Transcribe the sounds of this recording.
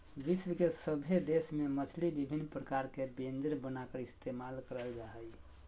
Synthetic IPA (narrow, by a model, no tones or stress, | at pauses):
ʋiswəkesəbʱed̪esmemət͡ʃʰlibibʱinːpɾəkaɾkebend͡ʒəɾbənakəɾist̪emalkəɾəld͡ʒaɦəj